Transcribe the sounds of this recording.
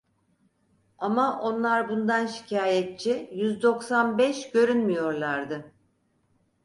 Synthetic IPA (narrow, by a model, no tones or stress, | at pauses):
amaʔo̞nlˠaɾbund̪anʃi̥cʰaːjɛt̪̚t͡ʃʰijyzd̪o̞ksanbɛʃɟø̞ɾynmijo̞ɾlˠaɾd̪ɯ